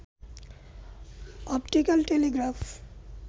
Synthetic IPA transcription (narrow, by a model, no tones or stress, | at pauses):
ɔpʈikalʈeleɡɾaf